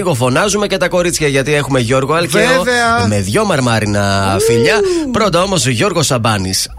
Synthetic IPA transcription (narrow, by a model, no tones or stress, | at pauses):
ɣo̞fo̞nɐzume̞ce̞t̪ɐko̞ɾit͡sçɐʝɐt̪ie̞xume̞ʝo̞ɾɣo̞ɐlceovɐme̞ðʝo̞mɐɾmɐɾinɐfiʎɐpɾond̪ɐo̞mo̞sʝo̞ɾɣo̞sɐbɐnis